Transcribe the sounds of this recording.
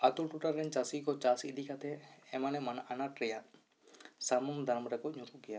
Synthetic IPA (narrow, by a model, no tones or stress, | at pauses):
at̪ulʈuʈaɾːɛɲt͡ʃasikɔt͡ʃasid̪ʱikat̪ʰɛɛmanɛmanaʔanat̪ɾɛja | samumd̪ʱaɾmɾɛkɔɲutuʔɡɛja